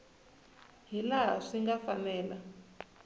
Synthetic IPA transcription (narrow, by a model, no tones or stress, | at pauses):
ɦilaɦa̰ʂiŋɡafanɛːla